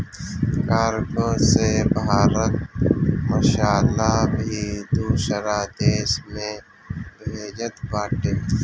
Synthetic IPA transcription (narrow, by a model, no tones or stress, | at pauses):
kaːɾɡosebaːɾək̪̚ | məʃaːlabid̪uʃəɾaːd̪eːʃmẽ | beːd͡ʒət̪baːʈeː